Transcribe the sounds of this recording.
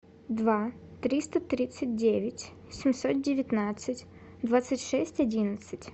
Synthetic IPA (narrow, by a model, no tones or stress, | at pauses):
d̪vat̪ɾʲist̪ət̪ɾʲit̪sɨt̚ʲdʲevʲɪtʲ | sʲɪmʲsot̪̚dʲɪvʲɪt̪nat̪sɨtʲ | d̪vat̪sɨtʲʂɛsʲtʲɐdʲinət̪sɨtʲ